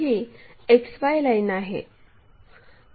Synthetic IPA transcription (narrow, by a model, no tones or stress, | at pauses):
iːekspajlainaɦḛ